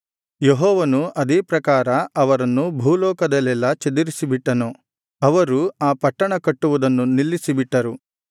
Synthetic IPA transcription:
jeɦɔːʋɐnuʔɐd̪eːpɾɐkaːɾɐɐʋɐɾɐnːubʱuːlɔːkɐd̪ɐlɛlːɐt͡ʃed̪iɾisibiʈːɐnu | ɐʋɐɾuaːpɐʈːɐɳɐkɐʈːuʋud̪ɐnːunilːisibiʈːɐɾu

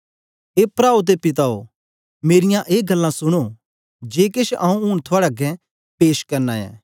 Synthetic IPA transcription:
eːpɾaːut̪̬epɪt̪̬ao̰ | meːɾɪjãʔeːɡɐlːãsʊɽ̃o | d͡ʒeːkeʃʔaːũuːɽ̃t̪ʰoaːɽaɡɛ̃ | peːʃkɐɾnaɛ̰ː

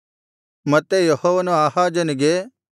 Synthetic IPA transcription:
mɐt̪ejɐhoːʋanõaːhad͡ʒɐnɡeː

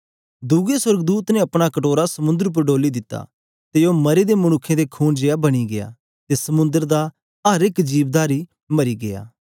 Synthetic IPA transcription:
d̪ʊɡeswɐɾɡd̪uːt̪nɛ̃ɐpɽ̃akɐʈoːɾasɐmʊ̃nd̪əɾp̬əɾɖoːlid̪ɪt̪ːa̰ | t̪ejomɐɾed̪emɐɽ̃ʊkʰːẽd̪ekʰuːnd͡ʒeːabɐɽ̃iɡḛja̰ː | t̪esɐmʊ̃nd̪əɾd̪a | ɐɾɪkd͡ʒiːʋd̪aːɾi | mɐɾiɡeja̰ː

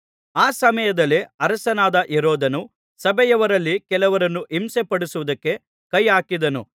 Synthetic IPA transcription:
aːsɐmɐjɐd̪ɐlːeɐɾɐsɐnaːd̪ɐʔiɾoːd̪ɐnu | sɐbɛjɐʋɐɾɐlːikɛlɐʋɐɾɐnːuʔimsepɐɽusuʋud̪ɐkːe̞ | kɐjaːkid̪ɐnṵ

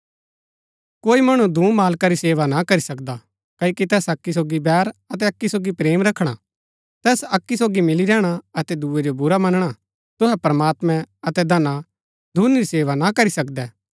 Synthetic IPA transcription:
koːimɐɽ̃ũd̪ʱũːmaːlkaɾiseːʋanakɐɾisɐkd̪a | kɐikit̪ɛːsɐkːisoːɡibɛːɾɐt̪ɛɐkːisoːɡipɾeːmɾɐkʰɽ̃a | t̪ɛːsɐkːisoːɡimɪliɾɛːɽ̃aɐt̪ɛd̪uːed͡ʒobʊɾamɐnɽ̃a | t̪ʊɦɛpɾəmaːt̪mɛ̃ɐt̪ɛd̪ɐna | d̪ʱuːnɾiseːʋanakɐɾisɐkd̪ɛː

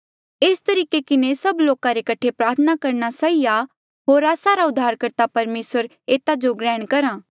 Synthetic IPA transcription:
eːst̪ɐɾiːkekɪnesɐbloːkaɾekɐʈʰepɾaːɾt̪ʰənakɐɾnasaːia | ɦoːɾaːsaɾaʊd̪ʱːaːɾkɐɾt̪apɐɾmeːsəɾ | eːt̪ad͡ʒoɡɾɛːɽ̃kɐɾãː

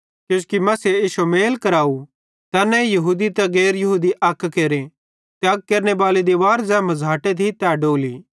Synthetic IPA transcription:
kjʊ̃ːskimɐːseiːsomeːlkɐɾaːu | t̪ɐːnɛ̃jɐɦuːd̪it̪ɛɡeːɾjɐɦuːd̪iʔɐkʰːkeːɾe | t̪aːɡ̚keːɾnebaːled̪iʋaːɾd͡ʒɛ̃ːmɐzaːʈet̪ʰit̪ɛːɖoːliː

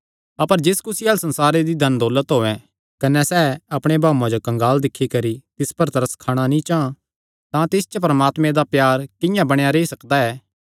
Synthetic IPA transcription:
ɐpəɾd͡ʒɪskʊsiɐlsɐ̃nsaːɾed̪id̪ʱɐnd̪oːlət̪ɦoːɛ̃ | kɐnɛsɛːɐpɽ̃ebʱaːuãd͡ʒokɐ̃ŋɡaːld̪ɪkʰːikɐɾit̪ɪspɐɾt̪ɐɾəskʰaːɽ̃anĩt͡ʃaːã | t̪ãt̪ɪst͡ʃəp̬ɾɐmaːt̪mẽd̪apjaːɾkɪ̃jãbɐɽ̃jaɾeːisɐkd̪aɛː

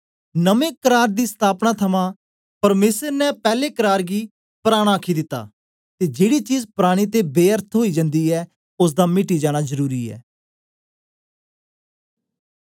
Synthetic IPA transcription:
nəmẽːkəɾaːɾd̪iːst̪ʰaːpnaːt̪ʰəmãː | pəɾmeːsəɾnɛpɛːleːkəɾaːɾɡiː | pəɾaːɽ̃aːkʰiːd̪ɪt̪ːa̰ː | t̪eːd͡ʒeːɽiːt͡ʃiːzpɾaːɽ̃iːt̪eːbeːəɾt̪ʰɦoːiːd͡ʒə̃nd̪iːɛː | ʊs̬d̪aːmɪʈiːd͡ʒaːɽ̃aːzəɾuːɾiːɛ̰ː

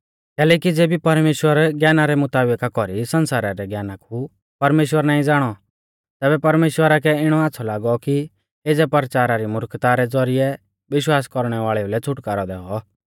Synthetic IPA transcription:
kɛːlɛːkid͡zeːbipɐɾmeːʃwəɾɡjaːnaɾɛmʊt̪aːbəkakɔɾisɐnsaːɾaɾɛɡjaːnakʰu | pɐɾmeːʃwəɾnaːĩd͡zaːɽ̃ɔ | t̪ɛːbɛpɐɾmeːʃwəɾakɛɪɽ̃ɔaːtːsʰɔlaːɡɔki | eːd͡zɛpɐɾt͡ʃaːɾaɾimʊɾkt̪aɾɛd͡zɔɾɪɛ | ʋɪʃwaːskɔɾɽ̃ɛʋaːɭɛulɛt͡sʰʊʈkaːɾɔd̪ɛ̰ːɔ

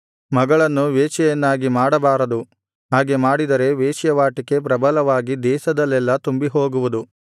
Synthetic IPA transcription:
mɐɡɐɭɐnːuʋeːt͡ʃɛjɐnːaːɡimaːɽɐbaːɾɐd̪u | ɦaːɡe̞maːɽid̪ɐɾe̞ʋeːʃjɐʋaːʈike̞p̬ɾɐbɐlɐʋaːɡid̪ɛːʃɐd̪ɐlːɛlːɐt̪umbiɦo̞ːɡuʋud̪u

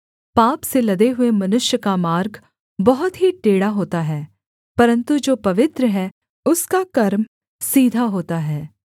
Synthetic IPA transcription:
paːpselɐɡ̪eɦʊemɐnʊʃjəkamaːɾɡ | bɐɦʊt̪ɦiʈeːɽaɦoːt̪aɦɛː | pɐɾə̃nt̪ud͡ʒoːpɐʋɪt̪ɾəɦɛː | ʊskakɐɾm | siːd̪ʱaɦoːt̪aɦɛː

